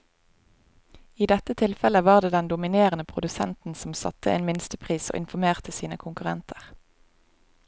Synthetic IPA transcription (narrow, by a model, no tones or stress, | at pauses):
iːd̪ɛt̪ət̪ʰɪlfɛləʋɑːʁd̪eːd̪ɛnd̪ʊmɪneːʁənəpʰʁʊd̪ʉsɛ̰nt̪n̩sɔm̩sɑ̰t̪ʰːəeːnmɪnst̪əpʰʁiːso̰ːʔɪnfɔmeːʁt̪əsiːnəkʰʊŋkʉʁɛnt̪ʰə̥ʁ